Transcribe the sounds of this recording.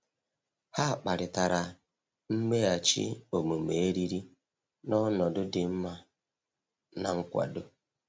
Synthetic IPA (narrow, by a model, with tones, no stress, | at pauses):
ha˦a˨k͡pa˨ɾɪ˨ta˨ɾa˨ | m̩˦me˦a˨t͡ʃɪ̰˦o˨mu˨me˨e˦ɾi˦ɾi˦ | nɔ˦nɔ˨dʊ˦dɪ˨m̩˦ma˦ | na̰˨ŋ̩˦kʷa̰˨dʊ˦